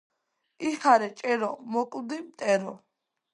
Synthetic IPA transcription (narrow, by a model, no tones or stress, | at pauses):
iχʰaɾɛt͡ʃʼɛɾɔmɔkʼwd̪imt̪ʼɛɾɔ